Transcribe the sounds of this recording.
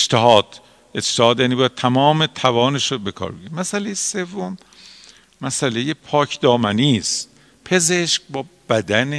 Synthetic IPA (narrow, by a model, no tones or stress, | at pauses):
t͡ʃt̪ʰeɦɒːd̪̥ | et͡ʃt̪ehɒːd̪jæːnibɒːjæd̪̚t̪ʰæmɒːmet̪ʰævɒːneʃobe̞kʰɒ̰ːɾbeɡɾimæsælejese̞vːomː | æsælejepʰɒːcʰd̪ɒːmæniːst̪ | pʰe̞zeʃkbɒːb̥æd̪æne